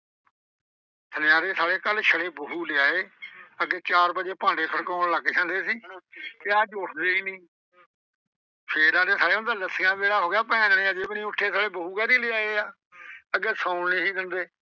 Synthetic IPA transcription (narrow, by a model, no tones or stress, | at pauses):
sənɪjaːɾeːsaːɽeːkəlʃəɽeːbəɦuːlɪaːeːəɡeːt͡ʃaːɾbəd͡ʒeːpãːɳɖeːsʰəɽkɔːləɡt͡ʃʰãːnd̪eːsiːt̪eaːd͡ʒʊʈʰd̪eːiːnĩː | pʰeːɾaːd̪eːsaːɽeːʊnd̪aːləsɪjãːmeːɾaːɦoːɡjaːpɛ̃ːãːənːaːd͡ʒeːbnĩːʊʈʰːeːsaːɽeːbəɦuːkɛːɾiːlɪaːeːaː | əɡeːsãːnĩːsiːd̪ənd̪eː